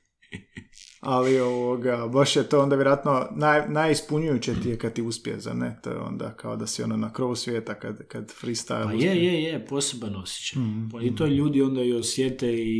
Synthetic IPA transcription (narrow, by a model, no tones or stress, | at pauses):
alioʋoɡabaʃjet̪oːond̪aʋjeɾoat̪no̞najnajispuɲujut͡ɕet̪ijekad̪̚t̪iuspiḛza̰net̪oːjḛo̞̰nd̪a̰kaod̪asio̞̰nonakɾo̞ʋusʋʲjeːt̪akad̪kad̪fɾist̪a̰laujejejeposebanosje̥t͡ɕapait̪oʎuːd̪io̞nd̪ajosjet̪ei